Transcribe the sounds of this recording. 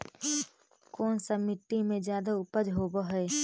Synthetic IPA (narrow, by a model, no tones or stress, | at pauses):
kɔːnsamɪʈ̪ːimẽd͡ʒjaːd̪aʊpəd͡ʒɦoːbaɦeː